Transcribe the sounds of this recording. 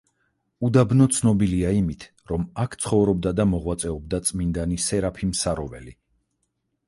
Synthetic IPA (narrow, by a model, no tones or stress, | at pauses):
ud̪abnɔt̪sʰnɔbiliaimit̪ʰ | ɾɔmakʰt̪sʰχɔvɾɔb̚d̪ad̪amɔʁwat̪sʼɛɔb̚d̪at̪sʼmind̪anisɛɾapʰimsaɾɔvɛ̰li